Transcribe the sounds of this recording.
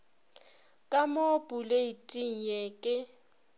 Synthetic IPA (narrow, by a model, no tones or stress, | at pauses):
kʼamopʼuleitʼiŋ̩jekʼɪ